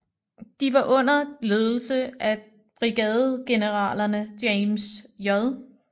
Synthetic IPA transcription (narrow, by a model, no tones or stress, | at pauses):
d̥iʋɑ̈ʔɔ̽n̰ɐle̝ːðˠl̩səʔæ | b̥ʁiɡ̥ɛð̩ˠɡ̥e̝nəʁɑ̰̈ːlɐnəd̥emsjɒðˠ